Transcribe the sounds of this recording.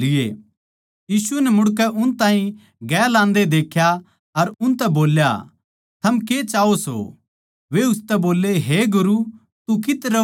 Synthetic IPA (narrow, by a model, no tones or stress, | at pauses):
ɪḛ | jiːsuɛnɛmʊɽk̬ɛʔʊnt̪ãːɦĩ | ɡɛːlãːnd̪ed̪eːkʰja | ɐɾʊ̃nt̪ɛboːlja̰ | t̪ʰɐmket͡ʃaːoso̰ | ʋeʊst̪ɛboːlːeɦeɡʊɾu | t̪ukɪt̪ɾɐ